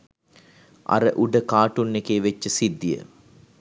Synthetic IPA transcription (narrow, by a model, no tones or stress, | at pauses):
ʔa̰ɾəʔuɖəkaːʈunːekeːʋet͡ʃːəsid̪ːijə̰